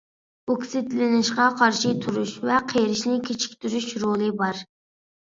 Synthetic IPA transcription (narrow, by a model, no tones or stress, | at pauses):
okʲsɪt̪lɪnɪʃqɑqʰɑɾʃit̪ʰuɾuʃvɛqʰeɾɪʃnɪkʲʰet͡ʃʰi̥kʲt̪yɾyʃɾolˠɨbɑɾ